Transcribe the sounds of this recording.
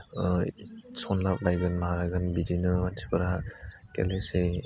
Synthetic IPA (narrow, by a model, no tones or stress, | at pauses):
sɔnlak̚bajɡɯnmaɾaɡɯnbid͡ʒinɯmansʰi̥pɯɾa | kḛlese